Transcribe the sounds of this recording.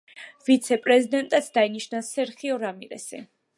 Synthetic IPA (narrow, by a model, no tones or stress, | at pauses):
vit̪sʰɛpʼɾɛzid̪ɛnt̪ʼat̪sʰd̪ainiʃnasɛɾχiɔɾamiɾɛ̰si